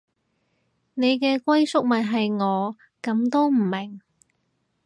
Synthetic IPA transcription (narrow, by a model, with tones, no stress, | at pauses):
ne˨˧jkɛː˧kʷɐ˥jsʊ˥k̚mɐ˨t̚ɦɐ˨jŋɔː˨˧ | kɐ˨˧mt̪o˥wm̩˨˩mɪ˨˩ŋ